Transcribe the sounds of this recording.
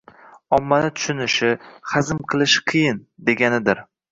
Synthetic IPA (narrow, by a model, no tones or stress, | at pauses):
ɒmːanɪt̪ʰʊ̥ʃʊnɪʃɪχazɪmqʰɨlˠɪʃqʰɨjɪnd̪e̞ɡʲanɪd̪ɪɾ